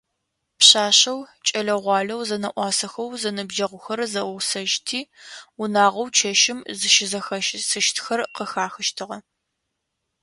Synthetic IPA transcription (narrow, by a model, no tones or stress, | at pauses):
pɕaːɕɐwt͡ʃʼɐɮɐʁʷɑːɮɐwzɐnɐʔʷɑːsɐxɐwzɐnɨbʒɐʁʷʊxɐɾzɐwʊsɐʒtʰiːʊnaːʁɐwt͡ʃʰɐʃɪmzɨʃɪzɐxɐʃsɨʃtʰxɐrqəxaːxɐʃtʰɨʁɐ